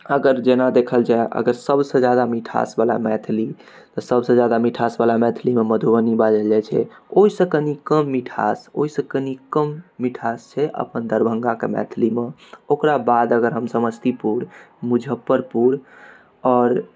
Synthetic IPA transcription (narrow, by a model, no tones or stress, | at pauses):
əɡəɾd͡ʒenad̪ekʰəld͡ʒaeʔə̰ɡəɾsəbsə̃d͡ʒjad̪amiʈʰa̰sbala̰mɛt̪ʰli | t̪ɔsəbsə̃d͡ʒjad̪amiʈʰasbalamɛt̪ʰlimeməd̪ʱuʋənibad͡ʒəld͡ʒɛt͡ʃʰɛ̰oisə̃kənikəmːiʈʰa̰so̰isə̃kənikəmːiʈʰast͡ʃʰɛʔə̰pənd̪əɾbʱə̃ŋɡakemɛ̰t̪ʰlimeokɾabad̪əɡəɾɦəmsəməst̪ipuɾ | mud͡ʒʱəpːəɾpuɾ | ɔːɾ